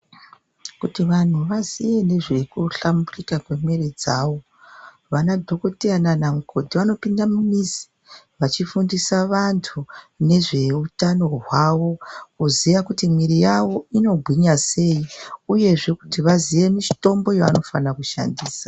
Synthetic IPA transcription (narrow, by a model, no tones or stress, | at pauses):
kutiʋan̤uʋazije̞ne̞ʐe̞kuɬamburikakwe̞merid͡zaːʋo̞ | ʋanadʱo̞kotiananamukʰo̞dʱiʋano̞pindamumizi̥ | ʋat͡ʃifundisaʋantʰu | ne̞ʐe̞utano̞ɦwawo̞kuzijakutimwiɾijawo̞ino̞bʱwiɲase̞iuje̞ʐe̞ku̥tiʋaziʋe̞miʃi̥to̞mbo̞joano̞fanakuʃa̰ndiːsḁ